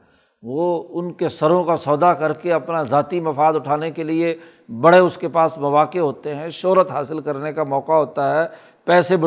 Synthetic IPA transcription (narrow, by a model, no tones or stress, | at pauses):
ʋoːʊnkesɐɾõkasɔːd̪akɐɾkeɐpnazaːt̪imɐfaːd̪ʊʈʰaːnekelie | bɐɽeʊskepaːsmɐʋaːqeɦoːt̪eɦɛ̃ʃoːɾət̪ɦaːsɪlkɐɾnekamɔːqaɦoːt̪aɦɛː | pɛːseb